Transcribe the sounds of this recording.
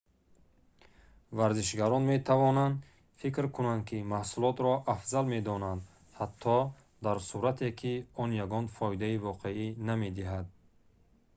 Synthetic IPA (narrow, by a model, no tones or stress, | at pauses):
vaɾziʃ̬ɡaɾɔnme̞t̪ʰavɔnand̪ | fikɾkʰunand̪̚kʰimahsulɔt̪ɾɔʔafzalme̞d̪ɔnand̪ | hat̪ʰːɔ | d̪aɾsuɾat̪ʰe̞kʰiɔnjaɡɔnfɔid̪aivɔqʰe̞iname̞d̪iɦad̪̚